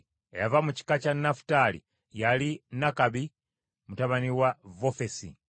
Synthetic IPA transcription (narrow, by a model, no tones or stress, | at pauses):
ejavamuci̥kat͡ʃanafu̥talḭ | jalinakaβi | mutaβaniwavofesḭ